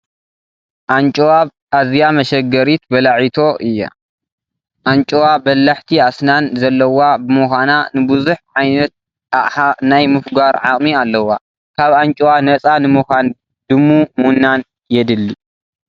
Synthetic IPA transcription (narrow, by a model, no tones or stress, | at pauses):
ʔant͡ʃʼwaβ | ʔazijamɐʃɐɡɐɾit̪bɐlaʕit̪ʰo̞ʔɨjːa̰ | ʔant͡ʃʼwabɐlːaħt̪ʰiasnanzɐlːɐwabɨmɨxʷananɨbɨzuħʕajnɐt̪̚ | najmɨfɡaɾʕa̰χʼmialːɐwa | kʰaβant͡ʃʼwanɐt͡sʼanɨmɨxʷan | d̪̥ɨmːumunːan | jɛd̪ɨlːi